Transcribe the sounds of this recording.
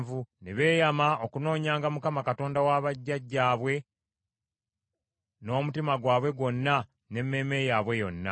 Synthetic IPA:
vuneβe̞ːjamao̞kuno̞ːɲaːŋɡamukamakato̞ːndawaβaɟːaɟːaːβwe̞ | no̞ːmutimaɡwaːβwe̞ɡwo̞nːa | ne̞mːe̞me̞jaβwe̞jo̞̰nːa̰

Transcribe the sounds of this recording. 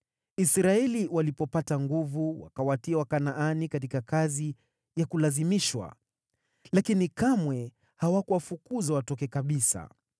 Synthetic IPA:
isɾaɛliwalipɔpataŋɡuvuwa̰kawatiawakanaʔanikatikakazi | jakulazimiʃwa̰ | lakinikamwɛ | hawakuwafukuzawatɔkɛkaɓisa̰

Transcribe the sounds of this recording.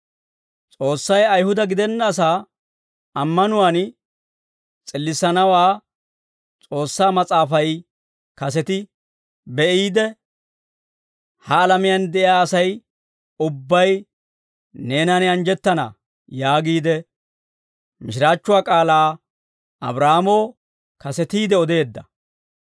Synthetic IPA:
t͡sʼo̞ːsːɐjɐjhʊd̪ɐɡɪd̪ɛnːaːs̬aː | ɐmːɐnʊwaːn | t͡sʼɪlːɪsɐnɐwaː | t͡sʼo̞ːsːaːmɐt͡sʼaːfɐj | kɐsɛt̪ɪ | bɛʔiːd̪ɛ | hɐːlɐmɪjɐnd̪ɛʔɪjaːɐsɐj | ʊbːɐj | ne̞ːnɐnɪɐnd͡ʒɛt̪ːɐnɐ̰ | jaːɡiːd̪ɛ | mɪʃɪɾaːt͡ʃːʊwaːkʼaːlaː | ɐ̰bɾaːmoː | kɐsɛt̪iːd̪ɛɔd̪e̞ːd̪ːɐ

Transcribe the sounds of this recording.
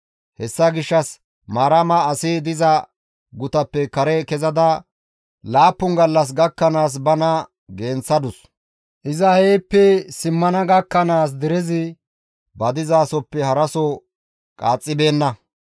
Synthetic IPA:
hɛsːɐɡɪʃːɐs | maːɾɐmɐːsɪd̪ɪzɐ | ɡʊt̪ɐpːɛkɐɾɛkɛzɐd̪ɐ | laːpːʊŋɡɐlːɐs̬ɡɐkːɐnaːs̬bɐnɐ | ɡe̞ːnt͡sːɐd̪ʊs | ʔɪzɐheːpːɛsɪmːɐnɐɡɐkːɐnaːs̬d̪ɪɾɛzɪ | bɐd̪ɪzaːsɔpːɛhɐɾɐsɔ | kʼaːt͡sʼːɪbe̞ːnːɐ

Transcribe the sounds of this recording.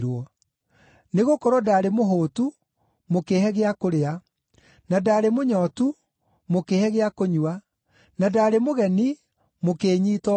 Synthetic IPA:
ɾwɔ | neɣokɔɾɔdaɾemoɦoːtu | mokehɛɣeakoɾea | nadaːɾemoɲɔːtu | mokehɛɣeakoɲwa | nadaːɾemoɣɛni | mokeːɲiːtɔ

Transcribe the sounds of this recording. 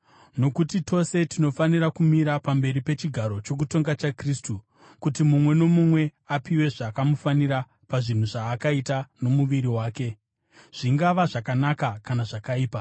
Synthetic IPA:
no̞kutitʰo̞se̞tino̞faniɾakumiɾapambe̞ɾipe̞t͡ʃiɡʱaɾo̞t͡ʃo̞k̬uto̞ŋɡat͡ʃakristu | kutimumwe̞no̞mumwe̞apiwe̞ʐakamufaniɾa | paʐin̤uʐaːkaitano̞muʋiɾiwaːke̞ | ʐ̥iŋɡaʋaʐakanakakanaʐakaiːpa

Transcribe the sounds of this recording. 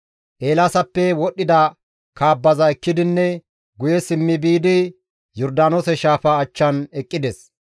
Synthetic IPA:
ʔeːlasɐpːɛwɔɗːɪd̪ɐ | kaːbːɐzɐɛkːɪd̪ɪnːɛ | ɡʊjɛsɪmːɪbiːd̪ɪ | jɔɾd̪aːnoːsɛʃaːfɐːt͡ʃːɐnɛkʼːɪd̪ɛs

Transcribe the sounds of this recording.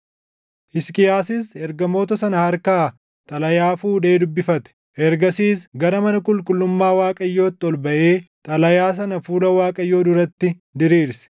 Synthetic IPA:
hɪskʼɪjaːsɪsɛɾɡɐmo̞ːt̪ɐsɐnɐhɐɾkaː | t̪ʼɐlɐjaːfuːᶑe̞ːd̪ʊbːɪfɐt̪ɛ̥ | ʔɛɾɡɐsiːsɡɐɾɐmɐnɐkʼʊlkʼʊlːʊmːaːwaːkʼɐjːo̞ːt̪ːɔlbɐʔe̞ːt̪ʼɐlɐjaːs̬ɐnɐfuːlɐwaːkʼɐjːo̞ːd̪ʊɾɐt̪ːɪ | d̪ɪɾiːɾsɛ̥

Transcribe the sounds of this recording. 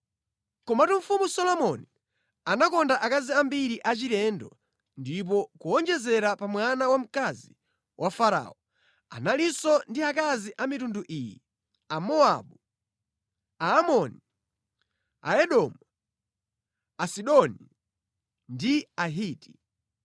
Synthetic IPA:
kɔmatuɱ̩fumusɔlɔmɔni | anakɔndaʔakaziambiɾiʔat͡ʃiɾɛndɔ̰ | ndip̬ɔkuɔnd͡ʒɛzɛɾapamwanawam̩kazi | wʔafaɾa̰ːɔ | a̰nalisɔndiakaziʔamitunduʔiːji | amɔaɓu | aːmɔni | a̰ɛɗɔmu | asiɗɔni | ndiaɦiːti̥

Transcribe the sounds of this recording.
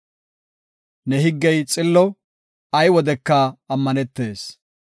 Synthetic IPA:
nɛɦɪɡːɛjt͡sʼɪlːɔ | ɐjwɔd̪ɛkːɐːmːɐnɛt̪ːe̞ːs

